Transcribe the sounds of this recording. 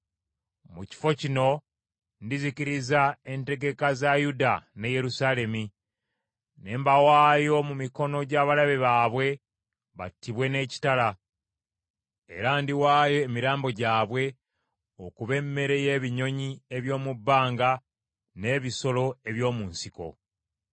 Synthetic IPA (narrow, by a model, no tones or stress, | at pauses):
muci̥fo̞cino̞ | ndiziciɾizae̞nte̞ɡe̞kazajudane̞je̞ɾusaːle̞mi | ne̞ːmbawaːjo̞mumiko̞no̞ɟaːβalaβeβaːβwe̞ | βa̰tːiβwe̞ne̞ːci̥tala | ḛɾandiwaːjo̞emiɾaːmbo̞ɟaːβwe̞ | okuβe̞mːe̞ɾe̞je̞ːβiɲo̞ɲie̞βjo̞ːmubːaːŋɡa | ne̞ːβiso̞lo̞e̞βjo̞ːmuːnsiko̞̰